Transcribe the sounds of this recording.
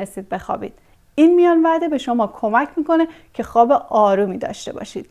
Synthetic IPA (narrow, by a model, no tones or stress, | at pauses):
esiːd̪̚be̞xɒ̰ːbḭːd̪̥ | iːnmijɒːnvæɾd̪e̞be̞ʃomɒːkʰo̞mæcʰmiːko̞necʰe̞xɒːbe̞ʔɒːɾuːmiːd̪ɒ̰ːʃt̪e̞bɒ̰ːʃiːd̪̥̚